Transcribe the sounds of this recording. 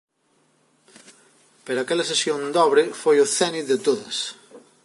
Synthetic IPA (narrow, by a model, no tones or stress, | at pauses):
peɾakelɐsesjõnd̪ɔβɾefojoθɛniðet̪oðɐ̰s